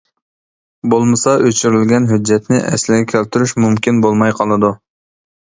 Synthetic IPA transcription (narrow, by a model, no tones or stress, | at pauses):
bolˠmɨsɑʔøt͡ʃʰyɾylɡʲɛnɦyd͡ʒːɛt̪nɪʔɛ̰slɪɡʲɛkʲʰælt̪ʰyɾyʃmumkʲinbolˠmɑjqʰɑlˠɨd̪u